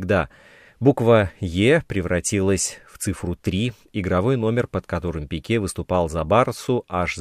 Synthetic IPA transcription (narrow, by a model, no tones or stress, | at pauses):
ɡd̪a | bukvəjepɾʲɪvɾɐtʲilˠəsʲft̪sɨfɾʊt̪ɾʲi | ɪɡɾɐvo̞jno̞mʲɪrpət̪kɐt̪o̞ɾɨmpʲɪkʲevɨst̪ʊpɑlˠzɐbart̪sʊʔaʂz